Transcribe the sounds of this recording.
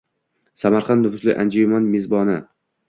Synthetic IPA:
samaɾχɑnd̪nʊvʊslɪ̰ʔa̰nd͡ʒojmɒnmezbɒnɪ

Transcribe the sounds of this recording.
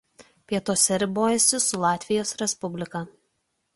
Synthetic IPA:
pʲiɛt̪oːsʲɛɾʲɪboːjɛsʲɪsʊlˠɑːt̪ʲʋʲɪjoːsɾʲɛspʊbʲlʲɪkɑː

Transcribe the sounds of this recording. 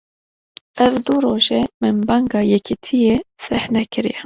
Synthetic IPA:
ɛvd̪uɾoːʒɛmɨnbɑŋɡɑːjɛkʰit̪ʰijesɛhnɛkʰɨɾḭjɛ

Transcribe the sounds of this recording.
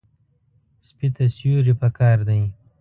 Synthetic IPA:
spit̪asjuɾipakʰɑːɾd̪aj

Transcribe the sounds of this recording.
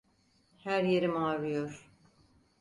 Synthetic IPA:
hæɾjeɾimaɾɯjoɾ̥

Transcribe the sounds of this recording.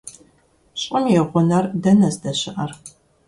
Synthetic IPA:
ɕʼɪmjɛʁʷʊnɐrdɐnɐzdɐɕɪʔɐr

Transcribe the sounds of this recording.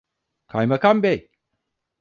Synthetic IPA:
kʰajmakambej

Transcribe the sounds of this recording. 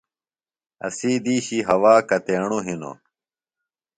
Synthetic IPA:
ɐ̰siːd̪iːɕiɦɐwaːkɐt̪eːɳ̃uɦino̰

